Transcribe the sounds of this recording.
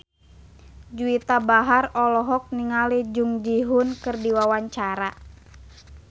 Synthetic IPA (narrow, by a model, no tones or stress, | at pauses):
d͡ʒuit̪abaɦarɔlɔɦɔk̚niŋalid͡ʒuŋd͡ʒiɦunkɨrdiwawaɲt͡ʃaɾa